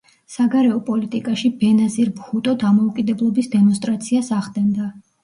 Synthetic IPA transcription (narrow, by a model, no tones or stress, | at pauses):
saɡaɾɛɔpʼɔlit̪ʼikʼaʃibɛnaziɾbχut̪ʼɔd̪amɔukʼid̪ɛblˠɔbisd̪ɛmɔnst̪ʼɾat̪sʰiasaʁd̪ɛnd̪a